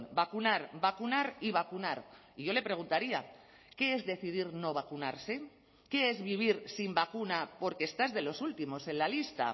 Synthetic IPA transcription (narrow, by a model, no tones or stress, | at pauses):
bakunaɾbakunaɾiβ̞akunaɾ | iʝo̞le̞pɾe̞ɣ̞unt̪aɾia̰ | ke̞ezðe̞θiðiɾno̞β̞akunaɾse̞ | ke̞e̞zβiβ̞iɾsimbakunapo̞ɾkest̪azðe̞lo̞sult̪imo̞se̞nlalist̪a̰